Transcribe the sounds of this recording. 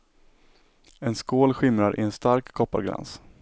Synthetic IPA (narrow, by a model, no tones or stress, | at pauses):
ɛnskoːlɧɪmɾaɾʔɪ̰ɛnst̪aɾkʰːɔpːa̰ɾɡɾa̰ns